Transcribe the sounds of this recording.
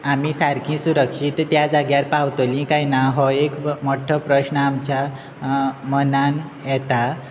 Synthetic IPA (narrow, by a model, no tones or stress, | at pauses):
amisaɾkʰĩsuɾəkʂit̪ːjad͡zaɡjaɾpawt̪olĩkajnaɦɔekmɔʈʰəpɾəsnəamt͡ɕa | mənan | jɛt̪a